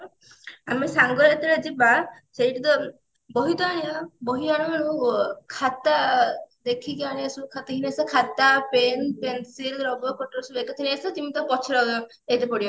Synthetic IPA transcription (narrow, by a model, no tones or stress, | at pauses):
amesaŋɡɔɾet̪eɾad͡ʒiba | seiʈit̪ɔ | bɔɦit̪ɔaɽiɔbɔɦiaɽ̃ɔmaɽ̃ũkʰat̪ad̪ekʰikiaɽ̃eesukʰat̪iɦinesɔkʰat̪apenpensilɾɔbɔkɔʈɔɾsubekɔt̪ʰinesɔt̪imit̪ɔpɔt͡ʃʰiɾɔɡɔ | et̪epɔɽiɔ